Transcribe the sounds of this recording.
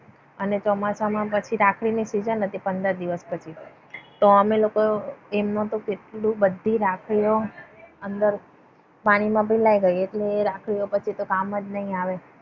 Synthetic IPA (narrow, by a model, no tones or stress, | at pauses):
ənet͡ʃɔmasamãpət͡ʃʰiɾakʰɽinisid͡ʒənɦət̪ʰipənd̪əɾd̪iʋəspət͡ʃʰi | t̪oəmelokoemnõt̪okeʈlũbəd̪ʱːiɾakʰɭijoənd̪əɾ | paɽ̃imãbʱəilaiɡəjeʈleːɾakʰɭijopət͡ʃʰit̪okamːəd͡ʒnəɦĩaʋe